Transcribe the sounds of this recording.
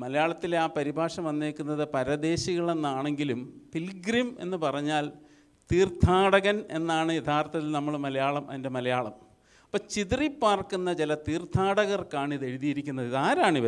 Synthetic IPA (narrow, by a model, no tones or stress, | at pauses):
mɐlɐjaːɭɐt̪ːilaːpɐɾibʱaːʂɐmʋɐnːeːkːunːɐðɨpɐɾɐd̪e̞ːɕiɣɐɭe̞nːaːɳe̞ŋɡilumfilɡɾime̞̰nːɨpɐrɐɲːaːl | t̪iːrt̪ʰaːɽɐɣɐne̞nːaːɳɨjed̪ʱʰaːrt̪ːɐt̪ːilnɐmːɐɭmɐlɐjaːɭɐmʔɐ̰ðinde̞mɐlɐjaːɭɐm | ɐpːoːt͡ɕiðripːaːrkunːɐt͡ɕelɐt̪iːrt̪ʰaːɽɐɣɐrkaːɳiðe̞ɻuðijiɾikʲːunːɐðiðaːɾaːɳiʋɐ